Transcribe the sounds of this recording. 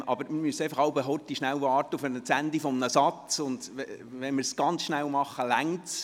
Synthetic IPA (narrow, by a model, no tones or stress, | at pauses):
ʔɑ̰bəɾmɪɾmyəseɪfɑχɑwbɛɦɔt̪iʃnæwvɑːrtəʊfənət͡sænd̪ifɔmənəsɑt͡st͡sʊnd̥ɛ | ʋɛnmɪɾsɡ̥ɑnt͡sʃnæwmɑχəlæŋts